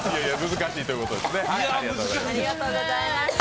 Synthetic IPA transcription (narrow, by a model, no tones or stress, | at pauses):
jajamɯzɨkaɕiːt̪o̞jy̟kot̪od̪esneaɾiɡat̪oːzamɾiat̪ːa